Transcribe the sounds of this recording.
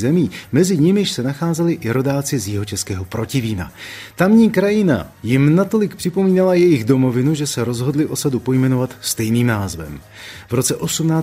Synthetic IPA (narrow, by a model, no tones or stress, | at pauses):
zɛmiːmɛzɪɲɪmɪʃsɛnaxaːzɛlɪʔɪɾo̞daːt͡sɪzjɪɦot͡ʃɛskɛːɦo̞pɾo̞cɪviːna̰t̪amɲiːkɾajɪna̰jɪmnat̪o̞lɪk̚pr̥ɪpo̞miːnalajɛjɪɣdo̞mo̞vɪnuʒɛsɛɾo̞zɦo̞dlɪʔo̞sadupo̞jmɛno̞vat̪st̪ɛjniːmnaːzvɛ̰m | vɾo̞t͡sɛʔo̞sumnaː